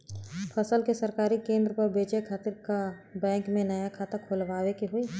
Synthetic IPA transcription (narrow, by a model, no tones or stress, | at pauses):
pʰɐsəlkesɐɾkaːɾikẽːnd̪ɾəpɐɾbeːt͡ʃekʰaːt̪ɪɾka | bɛ̃ːŋkmẽnɐjakʰaːt̪ɐkʰːoːlʋaːʋekiɦoiː